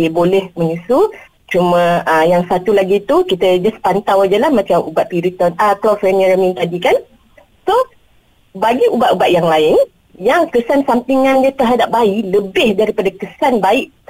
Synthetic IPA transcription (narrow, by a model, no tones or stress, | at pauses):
əbolɛhmə̃ɲusu | t͡ʃumə̃əjaŋsat̪ulaɡit̪ukit̪əd͡ʒaspant̪awad͡ʒəlahmãt͡ʃamubaʔ̪̚piɾit̪ɔnaklɔfɛnəɾəmĩnt̪adikan | so | baɡiubat̪ubaʔ̪̚jaŋlaɪn | jaŋkəsansamt̪iŋãndiət̪əɦadap̚baiʔləbɪhdaɾipadakəsanbaiʔ